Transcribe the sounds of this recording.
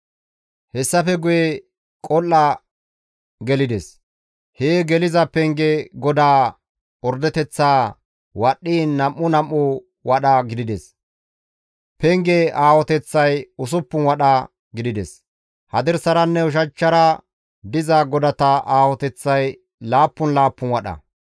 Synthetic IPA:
hɛsːɐfɛɡʊjɛ | kʼɔlːɐ | ɡɛlɪd̪ɛs | heːɡɛlɪzɐpɛŋɡɛɡɔd̪aː | ɔɾd̪ɛt̪ɛt͡sːaː | wɐɗːiːnːɐmːʊnɐmːʊ | wɐɗɐɡɪd̪ɪd̪ɛs | pɛŋɡɛaːwɔt̪ɛt͡sːɐjʊs̬ʊpːʊnwɐɗɐ | ɡɪd̪ɪd̪ɛs | hɐd̪ɛɾsɐɾɐnːɛʊʃ̬ɐt͡ʃːɐɾɐ | d̪ɪzɐɡɔd̪ɐt̪ɐʔaːwɔt̪ɛt͡sːɐj | laːpːʊnlaːpːʊnwɐɗɐ̰

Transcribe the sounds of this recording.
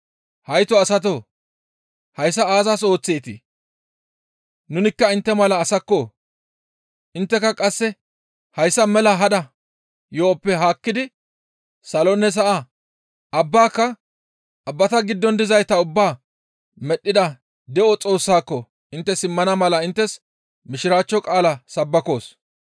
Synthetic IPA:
hɐjt̪ɔɐsɐt̪̬o | hɐjs̬ːɐaːzaːso̞ːt͡sːeːt̪ɪ | nʊnɪkːɐɪnt̪ːɛmɐlɐːsɐkːoː | ʔɪnt̪ːɛkːɐkʼɐsːɛ | hɐjsːɐmɛlɐɦɐd̪ɐ | joːpːɛɦaːkːɪd̪ɪ | sɐlɔnɛs̬ɐʔa | ɐbːaːkːɐ | ʔɐbːɐt̪ɐɡɪd̪ːɔnd̪ɪzɐjt̪ɐʊbːaː | mɛɗːɪd̪ɐ | d̪ɛʔɔt͡sʼo̞ːsːaːkːɔ | ʔɪnt̪ːɛsɪmːɐnɐmɐlɐɪnt̪ːɛs | mɪʃɪɾaːt͡ʃːɔkʼaːlɐsɐbːɐko̞ːs

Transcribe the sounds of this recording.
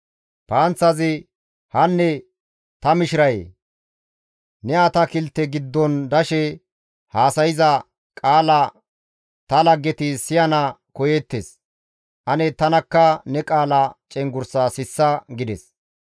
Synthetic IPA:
paːnt͡sːɐzɪ | hɐnːɛ | t̪ɐmɪʃɪɾɐjḛː | nɛɐt̪ɐkɪlt̪ːɛɡɪd̪ːɔnd̪ɐʃɛ | haːsɐjɪzɐ | kʼaːlɐ | t̪ɐlɐɡːɛt̪ɪsɪjɐnɐkɔjɛt̪ːes | ʔɐnɛt̪ɐnɐkːɐnɛkʼaːlɐt͡ʃʼɛŋɡʊɾsaːsɪsːɐɡɪd̪ɛs

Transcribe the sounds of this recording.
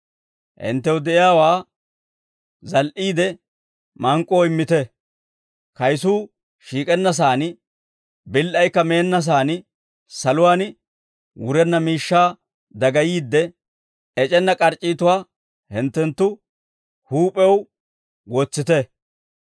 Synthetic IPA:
hɪ̰nt̪ːɛwd̪ɛɪjaːwaː | zɐlʔiːd̪ɛ | mɐŋkʼːoːɪmːɪt̪ɛ | kɐjsuː | ʃiːkʼɛnːɐs̬aːn | bɪlːʔɐjkːɐme̞ːnːɐs̬aːn | sɐlʊwaːn | wʊɾɛnːɐmiːʃːaː | d̪ɐɡɐjiːd̪ːɛ | ɛt͡ʃʼɛnːɐkʼɐɾt͡ʃʼːiːt̪ʊwaː | hɪnt̪ːɛnt̪ːʊ | huːpʼɛw | ɡot͡sːɪt̪ɛ

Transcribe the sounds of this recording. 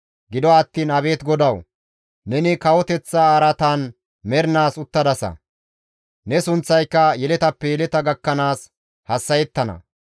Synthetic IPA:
ɡɪd̪ɔːt̪ːiːnɐbe̞ːt̪ɡɔd̪ɐw | nɛnɪkɐwɔt̪ɛt͡sːaɐːɾɐt̪aːn | mɛɾnaːsʊt̪ːɐd̪ɐsɐ̰ | nɛsʊnt͡sːɐjkːɐjɛlɛt̪ɐpːɛjɛlɛt̪ɐɡɐkːɐnaːs | hɐsːɐjɛt̪ːɐnɐ̰

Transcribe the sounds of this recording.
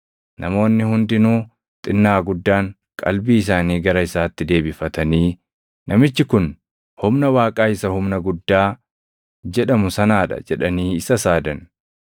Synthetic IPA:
nʔɐmo̞ːnːɪhʊnd̪ɪnuː | t̪ʼɪnːaːɡʊd̪ːaːŋ | kʼɐ̰lbiːɪs̬aːniːɡɐɾɐɪsaːt̪ːɪd̪e̞ːbɪfɐt̪ɐniː | nʔɐmɪt͡ʃːɪkʊn | hʊmnɐwaːkʼaːɪsɐhʊmnɐɡʊd̪ːaː | d͡ʒɛᶑɐmʊsɐnaːᶑɐ̰d͡ʒɛᶑɐniːɪsɐsaːd̪ɐn

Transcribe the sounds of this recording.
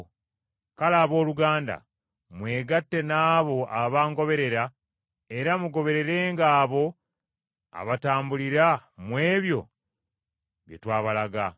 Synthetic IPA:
kalaːβo̞ːluɡaːnda̰ | mwe̞ːɡatːe̞naːβo̞aβaːŋɡo̞βe̞ɾe̞ɾa | e̞ɾamuɡo̞βe̞ɾe̞ɾe̞ːŋɡaːβo̞ | a̰βataːmbuliɾamwe̞ːβjo̞̰ | βjḛtwaːβalaɡa

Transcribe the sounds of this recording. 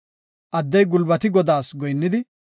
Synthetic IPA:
ʔɐd̪ːɛjɡʊlbɐt̪ɪɡɔd̪aːsɡɔjnːɪd̪ɪ

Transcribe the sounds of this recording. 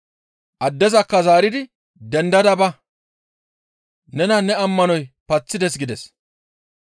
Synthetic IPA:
ʔɐd̪ːɛzɐkːɐzaːɾɪd̪ɪ | d̪ɛnd̪ɐd̪ɐbɐ | nɛnɐnɛɐmːɐnɔjpɐt͡sːɪd̪ɛsɡɪd̪ɛs

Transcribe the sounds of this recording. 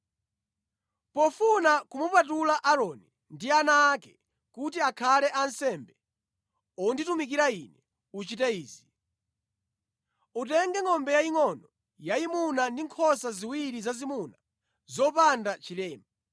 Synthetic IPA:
pɔfunakumupatulaʔaɾɔni | ndianaːkɛ | kutiakʰalɛʔansɛmbɛ | ɔnditumikiɾainɛ | ut͡ʃitɛiːzi | utɛŋɡɛŋɔmbɛjaiŋɔnɔ | jaimunandiŋkʰɔsaziwiɾizazimuna | zɔpandat͡ʃilɛːma

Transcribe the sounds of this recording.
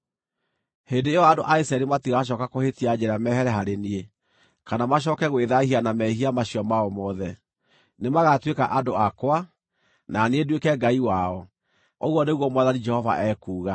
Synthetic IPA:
hendeeɔadoʔaisɛɾimatiɣaʃ̬ɔːkakohetiad͡ʑɛɾamɛɦɛɾɛɦaɾenie | kanamaɕ̬ɔkɛɣweðahianamɛɦiamaɕiɔmaɔmɔðɛ | nemaɣatwekaʔadoakwa | naneedwekɛɡaiwaɔ | oɣwɔneɣwɔmwaðanid͡ʒɛhɔva̰ʔɛkuːɣa

